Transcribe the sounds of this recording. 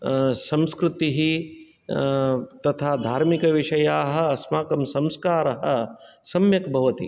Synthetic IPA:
sɐ̃mskɾut̪iɦi | t̪ɐt̪ʰaːd̪ʱaːɾmikɐʋiʂɐjaːɦɐ̆ɐsmaːkɐmsɐ̃mskaːɾɐɦɐ̆sɐmjɐkbʱɐʋɐt̪ḭ

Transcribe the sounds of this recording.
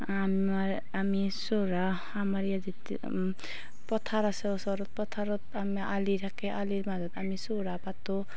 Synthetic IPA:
am | aɾ | ami | soɾa | amaɾjad͡zit̪ | pɔt̪ʰaɾasesɔɾot̪̚pɔt̪ʰaɾot̪amialiɾakeʔaliɾmad͡zʌt̪amisoɾapat̪o

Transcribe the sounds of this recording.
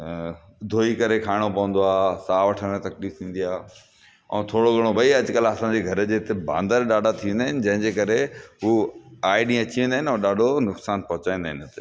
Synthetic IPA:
d̪ʱoːikɐɾekʰaːɪɽ̃opɐʋə̃n̆d̪oaːsaːʋɐʈʰəmẽt̪ɐkliːft̪ʰĩːn̆d̪iaːɦ | ɛ̰̃ːt̪ʰoːɽoɠɐɽ̃obɐiɐd͡ʑʊkəlɐsãɲd͡ʑeɡʱɐɾd͡ʑeːt̪ebã̰ːnd̪əɾɗaːɖʱat̪ʰiʋ̃nd̪aɦɪnɪ̆d͡ʑɐ̃ɦɪ̃ɲd͡ʑeːkɐɾeɦuaːɪɗĩːɐt͡ɕiʋẽnd̪aːɦɪnɛ̃ɗaːɖʱonʊksaːnpɐɦʊt͡ɕaːĩːnd̪aːɦɪnɪʊt̪e

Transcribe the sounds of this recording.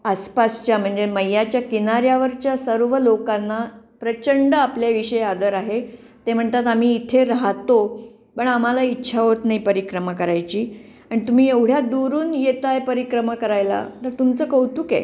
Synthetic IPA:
aspast͡ɕjam̤əɳd͡zeməjːat͡ɕjakinaɾjaʋəɾt͡ɕjasəɾʋəlokanːapɾət͡ɕəɳɖəapljaʋiɕəjad̪əɾaɦe | t̪em̤əɳt̪at̪am̤iːt̪ʰeɾaɦat̪o | pəɳam̤alaitːɕʰaɦot̪naipəɾikɾəmakəɾajt͡ɕiː | aɽ̃it̪um̤iːeʋɽ̤jad̪uɾuːnjet̪ajpəɾikɾəmakəɾajla̰t̪əɾt̪umt͡səːkəwt̪uːkḛ

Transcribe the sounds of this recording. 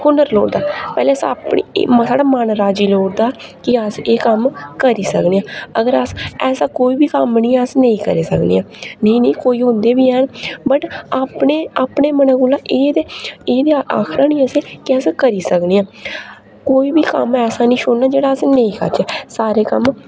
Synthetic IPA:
kʊnəɾloːɽd̪aːpɛːleːəsaːpɳḭːsaːɖaːmaːnɾaːd͡ʒiːloːɽd̪aːkɪəseːkəmkəɾiːsəkniːãːəɡəɾəsɛːsaːkoːiːbiːkəmnĩːəsnəĩːkəɾeːsəknḭːãːnə̃ĩːnĩːkoːiːɦʊ̃nd̪eːbiːɦɛːnbəʈaːpɳeːaːpɳeːmənãːkʊlaːʔeːd̪eːeːd̪eːa̰ːkʰɾãːnĩːəseːkɪɛːskəɾiːsəkniːãː | koːiːbiːkə̰mɛːsãːnĩːʃʊnnaːd͡ʒeːɽaːəsnəĩːkə̰ɾd͡ʒɛːsaːɾeːkəm

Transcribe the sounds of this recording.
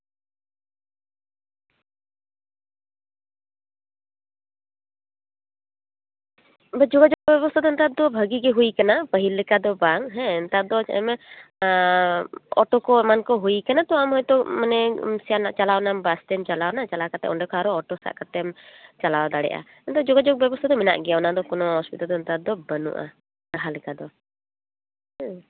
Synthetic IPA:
bəd͡ʒɔɡad͡ʒɔɡ̚bɔbɛbɔst̪ʰad̪ɔnt̪ad̪ɔbʱəɡiɡɛɦujkanapəɦilːɛkad̪ɔbaŋɦɛ̃nt̪ad̪ɔt͡ʃaʔɛ̰mɛ | ɔʈɔkɔmankɔɦujkanat̪ɔamɦɔjt̪ɔmanɛmsɛjanaʔt͡ʃalawnambast̪ɛmt͡ʃalawnat͡ʃalakat̪ɛ̰ʔɔɳɖɛkɔaɾɔɔʈɔsa̰ʔkat̪ɛmt͡ʃalawd̪aɽɛ̰ʔa̰ | ɛnt̪ɔd͡ʒɔɡad͡ʒɔk̚bɛbɔst̪ʰad̪ɔmɛna̰ʔɡɛjawnad̪ɔkɔnɔɦɔspit̪ald̪ɔnt̪ad̪ɔbənṵʔa̰ | kaɦalɛkad̪ɔ

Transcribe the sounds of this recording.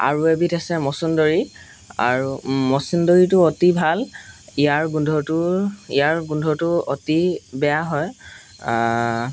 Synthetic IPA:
a̰ɹuebitʰasɛmɔsundɔɹi | a̰ɹumɔsindɔɹitʊotibʱalijaɹɡundʱɔtʊḭjaɹɡundʱɔtʊotibɛjaɦɔj

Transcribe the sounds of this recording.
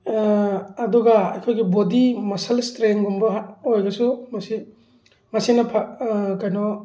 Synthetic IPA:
ɐdɔɡaɐ̰jkʰojɡibodimɐsɐlstɾeŋɡumbɐɦojɡɐsumɐsi | mɐsinɐpʰakajnɔ

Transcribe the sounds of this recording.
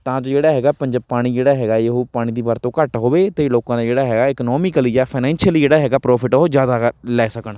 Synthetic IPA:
t̪ãːd͡ʒod͡ʒeːɽaːɦɛːɡaːpəɲd͡ʒəpaːɽ̃iːd͡ʒeːɽaːɦɛːɡaːeɦoːpaːɽ̃iːd̪iːbaːɾt̪õːkəʈɦoːʋeːt̪eːloːkãːd̪aːd͡ʒeːɽaːɦɛːɡaːɪknɔːmɪkəlijaːpʰaɪnɛ̃ːnʃəliːd͡ʒeːɽaːɦɛːɡaːpɾɔːpʰɪʈːɦoːd͡ʒjaːd̪aːlɛːsəkəɳ

